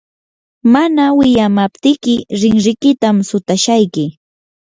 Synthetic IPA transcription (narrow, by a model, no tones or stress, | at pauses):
manawɪʎamapt̪ɪkɪɾɪŋɾɪkɪt̪amsʊt̪aʃajkɪ